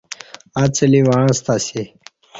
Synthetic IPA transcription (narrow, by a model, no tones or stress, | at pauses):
at͡səliwaãst̪asi